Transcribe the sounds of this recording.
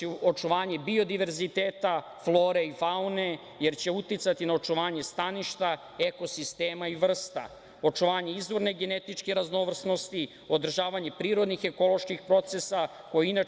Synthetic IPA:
o̞t͡ʃuʋaːɲe̞bio̞d̪iʋe̞ɾzit̪eːt̪a | flˠo̞ːɾeifaune̞ | je̞ɾt͡ɕe̞ut̪it̪sat̪inao̞t͡ʃuʋaːɲe̞st̪aniʃt̪a | eko̞sist̪eːmaiʋr̩st̪a̰ | o̞t͡ʃuʋaːɲe̞izʋo̞ɾneɡe̞ne̞t̪it͡ʃkeɾazno̞ʋr̩sno̞st̪i | o̞d̪r̩ʒaːʋaɲe̞pɾiːɾo̞d̪nixe̞ko̞lo̞ʃkixpɾo̞t̪sesa | ko̞jeina

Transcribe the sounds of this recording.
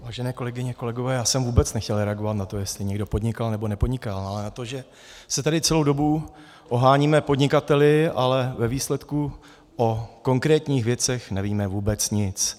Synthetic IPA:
vaːʒɛnɛːko̞lɛɡɪɲɛko̞lɛɡovɛːjaːsɛmvuːbɛt͡snɛxcɛlɾɛaɡo̞vat̪nat̪o̞jɛst̪lɪɲɛɡdo̞po̞dɲɪkalnɛbonɛpo̞dɲɪkalalɛnat̪o̞ʒɛ | sɛt̪adɪt͡sɛlowdo̞bu | ʔo̞ɦaːɲiːmɛpo̞dɲɪkat̪ɛlɪalɛvɛviːslɛt̪ku | ʔoko̞ŋkɾɛːt̪ɲiːxvjɛt͡sɛxnɛviːmɛvuːbɛt͡sɲɪt͡s

